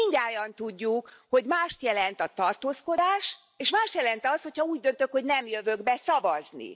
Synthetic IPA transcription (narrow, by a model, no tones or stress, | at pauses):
iɲɟaːjɒnt̪uɟːukho̞ɟmaːʃt̪jɛlɛnt̪ɒt̪ɒrt̪oːsko̞d̪aːʃ | eːʃmaːʃt̪jɛlɛnt̪ɒshochɒuːɟ̚d̪ø̞nt̪økho̞ɟnɛmjøvøɡbɛsɒvɒznḭ